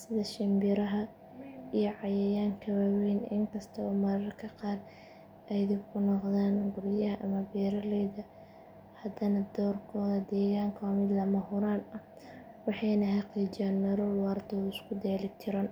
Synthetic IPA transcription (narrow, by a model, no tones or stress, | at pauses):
sɪðɐʃɪmbɪɾɐɦɐ | ijɞʕɑjɛjaːŋkʰɐwaːwɛjnɪ̰ŋkʰɐst̪ʰɐɔːmɐɾɐrkʰɐqɑːd | ɛjd̪ɪbkʰʊnɔqðaːnɡʊɾjɐɦɐʔɐmɐbɛːɾɐlɛjðɐ | hɐd̪ɐnɐd̪ɔːrkʰɔːðɐd̪ɛːɣaːŋkʰɐwmɪd̪lɐmɐhʊɾaːnɐ | wɑħɑjnɐɦɑqiːt͡ʃɪjaːnmɐɾɔːlwɑːrd̪ʰɔːɪskʰʊd̪ɛːlɪkt̪ʰɪɾaːn